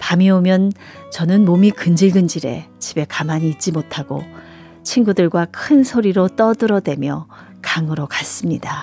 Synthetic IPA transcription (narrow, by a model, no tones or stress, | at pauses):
pamiomjʌnt͡ɕʌnɯnmomikɯnd͡ʑiɭɡɯnd͡ʑiɾe̞̰t͡ɕibe̞kamaɲiːt̚t͡ɕ͈imotʰaɡ̥o̰ | t͡ɕʰinɡudɯɭɡwakʰɯnsʰoɾiɾot͈ʌdɯɾʌdwe̞mjʌ | kaŋɯɾokas͈ɯmɲida